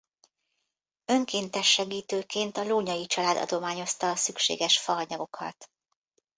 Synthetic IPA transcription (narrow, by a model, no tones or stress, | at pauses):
ø̞ŋkeːnt̪ɛʃːɛɡiːt̪øːkeːnt̪ɒloːɲɒjit͡ʃɒlaːd̪ɒ̰d̪o̞maːɲo̞st̪ɒːsykʃḛːɡɛʃfɒːɲɒɡo̞kʰɒ̰t̪